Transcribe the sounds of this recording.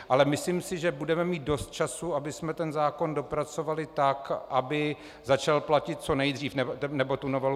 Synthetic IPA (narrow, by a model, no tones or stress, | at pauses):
ʔalɛmɪsliːmsɪʒɛbudɛmɛmiːt̪̚do̞st̪̚t͡ʃasuabɪsmɛt̪ɛnzaːko̞ndo̞pɾat͡so̞valɪt̪akʔabɪ | zat͡ʃalplacɪt̪̚t͡so̞nɛjd̪riːfnɛnɛbot̪unovɛl